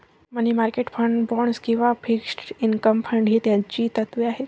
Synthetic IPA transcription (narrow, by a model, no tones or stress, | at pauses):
mənimaɾkeʈfʰəɳɖbɔɳskĩw̃ʋafʰiksʈinkəmfʰəɳɖɦit̪jãt͡ɕiːt̪ət̪ʋiaɦe